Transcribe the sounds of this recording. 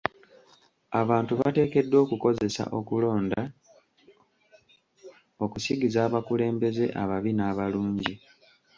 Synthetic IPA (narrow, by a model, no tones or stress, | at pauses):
aβaːntuβate̞ːke̞dːwo̞ːkuko̞ze̞sa̰ʔo̞kulo̞ːnda | o̞kusiɡizaːβakule̞ːmbe̞ze̞ʔaβaβinaβaluːɲɟi